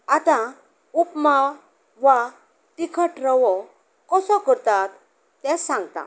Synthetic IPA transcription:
at̪ã | upmaw | ʋa | t̪ikʰəʈɾəʋɔ | kɔsɔkəɾt̪at̪ː | ãsãŋɡt̪a̰

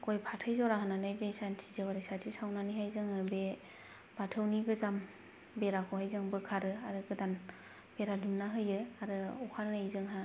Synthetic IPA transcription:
kʰojpʰatʰɯjzɔɾaɦananajdejsantʰizɯwaɾesatʰisawnaniɦajzɯŋɯbe | b̥atʰɯwniɡɯzam | beɾakʰɔhajzɯŋbɯkʰaɾɯaɾɯɡɯdan | b̥eɾadumnːaɦɯjɯaɾɯɔkʰaɾnajzɯŋɦa

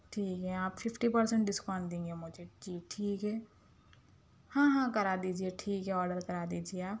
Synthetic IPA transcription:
ʈʰiːkɦɛaːpfʰɪpʰʈipəɾsə̃ɳʈ̚ɖɪskaːnd̪ẽːŋɡemʊd͡ʒʱed͡ʒiːʈʰiːkɦɛː | hãːɦãːkɐɾaːd̪iːd͡ʒieʈʰiːkɦɛɔːɾɖəɾkɐɾaːd̪iːd͡ʒieaːp

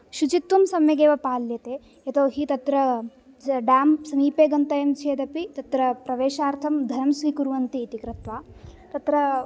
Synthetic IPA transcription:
ʃut͡ʃit̪ʋumsɐmjɐɡeːʋɐpaːljɐt̪eː | jɐt̪oːɦit̪ɐt̪ɾɐ | ɖaːmsɐmiːpeːɡɐnt̪ɐjɐmt͡ʃʰeːd̪ɐpit̪ɐt̪ɾɐpɾɐʋeːʃaːɾt̪ʰɐmd̪ʱɐɾɐmsʋiːkuɾʋɐnt̪iːt̪ikɾɐt̪ʋaːt̪ɐt̪ɾɐ

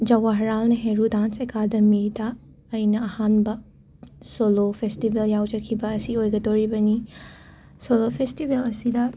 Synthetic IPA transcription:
d͡ʒɐwaɦɐɾalnɐɦeɾudansekadɐmidaː | jnɐːhanbɐ | solopʰestibeljawd͡ʒɐkʰːibɐːsiojɡɐdoɾibɐni | solopʰestibelɐsidɐ

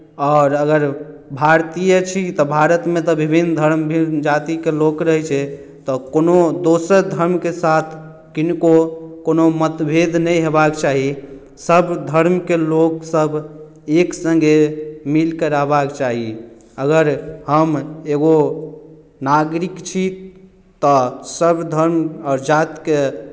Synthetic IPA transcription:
ɔːɾəɡəɾbʱaɾt̪ijət͡ʃʰit̪ɔbʱaɾət̪mẽt̪ɔbibʱind̪ʱəɾmbʱid͡ʒat̪ikelokɾəɦɛt͡ʃʰɛ | t̪ɔkonod̪osəɾd̪ʱəɾmkesat̪ʰ | kinkokonomət̪bʱed̪ʱnəjɦebakt͡ʃaɦi | səbd̪ʱəɾmkeloksəbʱ | eksəŋɡemilkəɾabakt͡ʃaɦi | əɡəɾhəmeɡo | naɡɾikt͡ʃʰi | t̪ɔsəbʱd̪ʱəɾmaːɾd͡ʒat̪ke

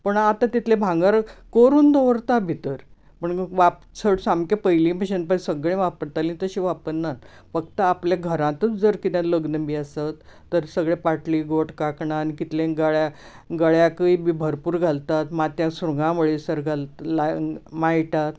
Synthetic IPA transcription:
pəɳat̪at̪it̪ʰlebʱãŋɡaɾkoɾuːnd̪oʋɾt̪abʱit̪əɾ | pəɳʋap | t͡sʰəɽsamkepəjlĩːpəɕenpasəɡɭẽʋapəɾt̪aliːnt̪əɕiʋapəɾnafək̚t̪əapljaɡʱəɾãt̪ət͡sd͡zəɾkit̪ãləɡnəmbiəsat̪ː | əɾsəɡɭepaʈliːɡoʈkakɳaːnikit̪lẽɡəɭja | ɡəɭjakəiːbibʱəɾpuːɾɡʱalt̪at̪mat̪jãsɾuŋɡãʋəɭesəɾɡʱalt̪lamaiʈ̪at̪

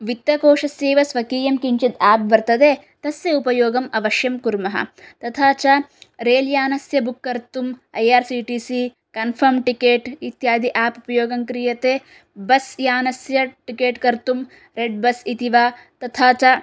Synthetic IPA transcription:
ʋit̪ːjɐkoːʂɐsjeːʋɐsʋɐkiːjɐmkiɲt͡ʃid̪aːp̚ʋɐɾt̪ɐd̪eː | t̪ɐsjɐupɐjoːɡɐmɐʋɐʃjɐmkuɾmɐɦɐ̰t̪ɐt̪ʰaːt͡ʃɐɾeːljaːnɐsjɐbukːɐɾt̪umɐjaːɾsiːʈiːsi | kɐnpʰɐɾmʈikeːʈit̪jaːd̪ʱiʔaːpupɐjoːɡɐmkɾijɐt̪eː | bɐsjaːnɐsjɐʈikeːʈkɐɾt̪um | ɾeɖ̚bɐsit̪iʋaːt̪ɐt̪ʰaːt͡ʃɐ

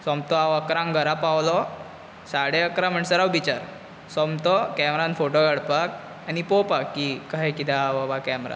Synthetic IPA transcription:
sɔmt̪ɔaʋəkɾãŋɡʱəɾapawlɔ | saɽeəkɾam̤əɳsəɾawbit͡ɕaɾ | sɔmt̪ɔkɛmɾãnfoʈoɡəɽpak | anipopakːikaɦkit̪aʋabakɛmɾa̰

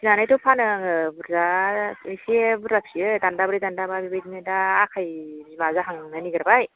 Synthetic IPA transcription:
sinanajtɔpʰanɯŋbuɾzaisibɾap̚siɯdandabɾijdandababibajdimedaːkʰajzmazaɦaŋnaniɡɯɾbaj

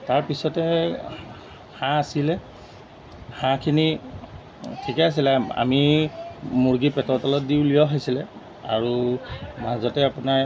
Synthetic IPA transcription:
taɹpisɔtɛ | hãasilɛ | hãkʰini | tʰikɛas̬ilɛa̰mi | muɹɡipɛtɔɹtɔlɔt̚diʊlijɔɦojsilɛ | a̰ɹumazɔtɛapʊnaɹ

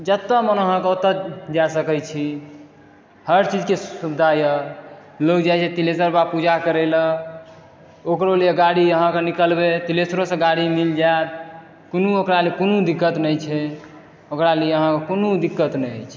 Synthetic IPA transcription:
d͡ʒət̪ːəmənəɦãkeot̪əd͡ʒasəkəjt͡ʃʰi | həɾt͡ʃid͡ʒkesubd̪ʱajəlod͡ʒajt͡ʃʰɛt̪iles̬əɾbapud͡ʒakəɾɛlə | okɾolieɡaɽiəɦãkenikəlbet̪ilesɾosə̃ɡaɽimild͡ʒaet̪̚ | konuokɾalekonud̪ikːət̪nəjt͡ʃʰɛ | okɾalijeəɦãkekonud̪ikːət̪nɛjət͡ʃʰ

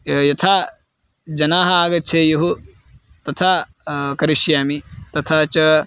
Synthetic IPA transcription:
jɐt̪ʰaː | d͡ʒɐnaːɦɐaːɡɐt̪ːt͡ʃʰeːjɐɦu | t̪ɐt̪ʰaː | kɐɾiʃjaːmit̪ɐt̪ʰaːt͡ʃɐ

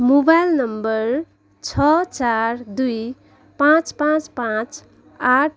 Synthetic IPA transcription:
mobajlnʌmbʌɾ | t͡ʃʰʌt͡ʃaɾd̪uj | pãt͡spãt͡spãt͡s | aʈ̚ʰ

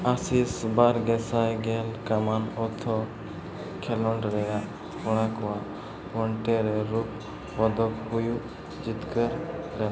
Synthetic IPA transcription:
asisbaɾɡɛsajɡɛlkamanɔt̪ʰɔ | kʰɛlɔɳɖɾɛja | kɔɽ̃akwa | pɔɳʈɛɾɛɾup̚ | pɔd̪ɔkɦuju | d͡ʒit̪kəɾɾɛ

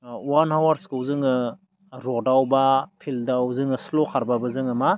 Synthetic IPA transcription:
wanhawaɾskɯwzɯŋɯ | ɾɔdawbapʰildawzɯŋɯslokʰaɾbabɯzɯŋɯma

